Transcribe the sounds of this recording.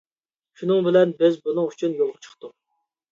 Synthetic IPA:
ʃunɨŋbɪlɛnbɪzbunɨŋyt͡ʃʰynjolˠʁət͡ʃʰə̥χt̪ʊ

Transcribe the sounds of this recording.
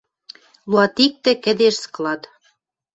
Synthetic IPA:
luɑt̪ik̚t̪ĕkɘ̆d̪eʃsə̥klɑt̪

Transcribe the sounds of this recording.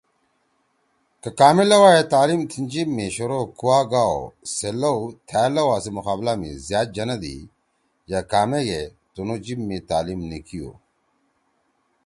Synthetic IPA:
kɐkaːmelɐwaːjet̪aːlimt̪ʰind͡ʑimːeɕoɾokuwaːɡaːo̰selɐut̪ʰaːlɐwaːsemuxaːblamḭzjaːt̪̚d͡ʒɐnɐd̪ḭ | jakaːmeɡe | t̪onod͡ʑibːet̪aːlimnikijo̰

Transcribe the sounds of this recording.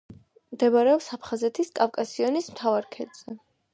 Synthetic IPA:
md̪ɛvaɾɛɔpsapʰχazɛt̪ʰiskʼafkʼasiɔnismt̪ʰavaɾkʰɛd̪z̥ɛ

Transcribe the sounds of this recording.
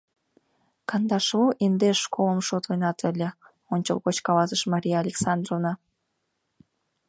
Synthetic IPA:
kɑnd̪ɑʃoʔind̪eʃːkoləmʃot̪ojnɑt̪ʰə̆lʲə̆ | onʲt͡ɕə̰lɣot͡ɕkɑlɑzəʃmɑɾʲijaːlʲeksɑnd̪rovnɑ

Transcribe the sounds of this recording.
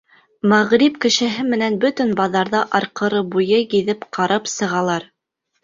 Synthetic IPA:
mæʁɾipkɘ̆ʃɘ̆ɦɘmɘ̆nænbɵt̪ɵnbɑðɑɾðɑʔɑɾqɤ̆ɾɤbujɤjiðɘpqʰɑɾɑpsɤ̆ʁɑlˠɑɾ

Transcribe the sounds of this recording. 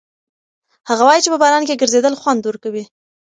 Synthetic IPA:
haɣawɑjit͡ʃepəbɑɾɑnkeɡəɾzed̪əlxwand̪wəɾkawi

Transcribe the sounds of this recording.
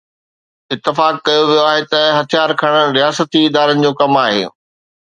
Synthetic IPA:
ɪt̪ːɪfaːkːɐjoʋijoaːɦet̪ɐɦɐt̪ʰijaːɾkʰɐɽ̃əɾijaːsət̪iːd̪aːɾənɪ̆d͡ʑoːkɐmaːɦḛː

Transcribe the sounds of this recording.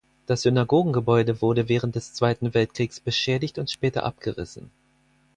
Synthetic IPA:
d̥asz̥ʏnaɡoːɡŋ̩ɡəbɔʏdəvʊɐdəvɛːʁ̞ənt̚d̥ɛst͡sv̥aɪtn̩vɛltkʁ̥iːksb̥əʃɛːdɪçtʊntʃpɛːtɐ̰ʔa̰p̚ɡ̥əʁɪ̰sn̩

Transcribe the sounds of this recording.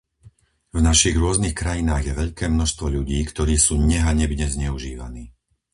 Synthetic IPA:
vnaʃiɣɾʊɔznixkɾajinaːɣjɛʋɛʎkɛːmnɔʃst̪ʋɔʎuɟiːkt̪ɔɾiːsuːɲɛɦaɲɛbɲɛzɲɛuʒiːʋa̰niː

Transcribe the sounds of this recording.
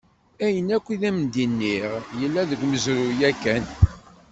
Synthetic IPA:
æjənækʷːiðæmnd̪inːiʁjəlːæðəɡʷməzɾujækːæn

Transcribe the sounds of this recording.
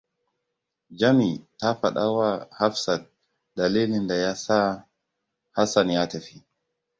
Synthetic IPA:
d͡ʒamitafaɗawahafsa | dalilindajasa | hasanjatɛfi

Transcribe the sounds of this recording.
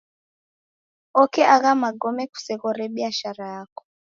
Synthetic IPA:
ɔkɛaɣamaɡɔmɛku̥sɛɣɔɾɛɓiaʃaɾajakɔ̥

